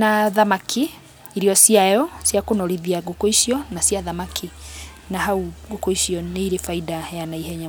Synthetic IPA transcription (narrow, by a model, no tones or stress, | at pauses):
naðamakʰi | iɾiɔsiajɔsjakonoɾiðiaɡokoiʃiɔnasjaðamakʰi | nahauɡokoiʃiɔneiɾefaidajanaiɦɛɲa